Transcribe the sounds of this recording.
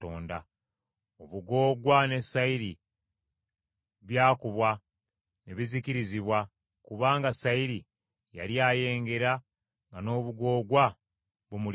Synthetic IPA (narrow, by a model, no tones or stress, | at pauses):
oːnda | oβuɡo̞ːɡwane̞saiɾi | βjaːkuβwa | ne̞βizikiɾiziβwa | kuβaːŋɡasaiɾi | ja̰ljaːje̞ːŋɡe̞ɾa | ŋɡano̞ːβuɡo̞ːɡwa | βumul